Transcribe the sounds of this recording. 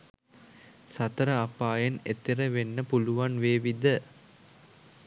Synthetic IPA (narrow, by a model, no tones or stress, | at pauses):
sat̪əɾəapaːjenet̪iɾəʋenːəpuluʋanʋeːʋid̪ə